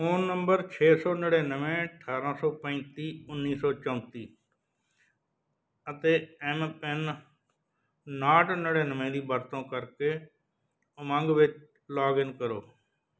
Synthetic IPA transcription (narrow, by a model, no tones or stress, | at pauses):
oːnːəmbəɾt͡ʃʰeːsoːnəɽeːnəʋẽːəʈʰaːɾãːsɔːpə̃ːt̪iːʊnːiːsɔːt͡ʃə̃ʊt̪iː | ət̪eːɛmpɛn | naːʈnəɽeːnəmẽːd̪iːbəɾt̪õːkəɾkeː | mə̃ŋɡʋɪt͡ʃ | laːɡɪnkəɾoː